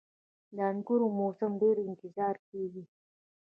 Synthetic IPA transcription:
d̪aanɡuɾomosəmɖeɾɪnt̪ɪzɑːɾkeɡi

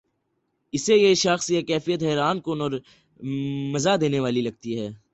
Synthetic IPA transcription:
ɪsejeʃɐxsjekɛːfijət̪ɦɛːɾaːnkoːnɔːɾ | mɐzad̪eːneʋaːlilɐɡ̚t̪iɦɛː

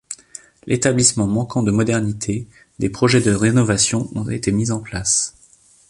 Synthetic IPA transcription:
lʔet̪ablismɑ̃mɑ̃kɑ̃d̪əmɔd̪ɛʁnit̪ʰe | d̪epχɔʒɛd̪əʁenɔvasjɔ̃ɔ̃t̪et̪emizɑ̃plas

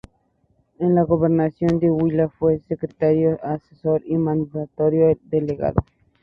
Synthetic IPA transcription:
enlaɣoβeɾnasjond̪ewilafwesekɾet̪aɾjoʔasesoɾimanifat̪oɾjoeld̪eleɣa̰ðo̰

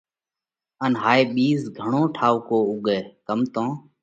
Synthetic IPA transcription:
ənɦaːeːɓiːzɡʱəɳõːʈʰaːʋkoːʊɡeːkəmt̪õː

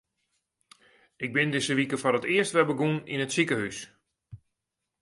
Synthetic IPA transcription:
ɪɡ̚bɪndɪsəʋikəfɔɾətɪəstʋɛbəɡunḭnətsikəhys

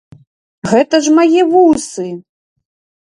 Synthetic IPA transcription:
ɣɛt̪ɐʐmajivusɨ

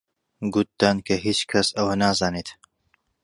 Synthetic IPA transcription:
ɡut̪̚ːaːnkʰɐɦit͡ʃkʰɐsɐwɐnaːzaːneːt̪

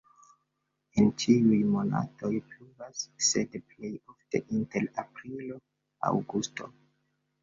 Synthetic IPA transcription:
ent͡ʃiujmo̞na̰to̞jpluvasːe̞dplejofte̞̰ʔintelapɾilo̞ | a̰wɡusto̞̰

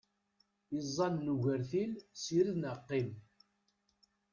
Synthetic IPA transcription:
izˤːɑnːuʝəɾθilsiɾðnəqːim

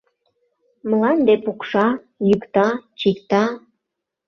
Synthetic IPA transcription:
mlɑnd̪epukʃɑ | jykt̪ɑt͡ɕikt̪ɑ

